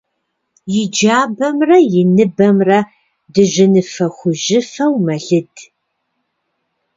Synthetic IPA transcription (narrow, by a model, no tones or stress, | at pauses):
jɪd͡ʒaːbɐmrɐjɪnɨbɐmrɐ | dɨʑɪnɨfɐxʷʊʒɪfɐwmɐɮɨd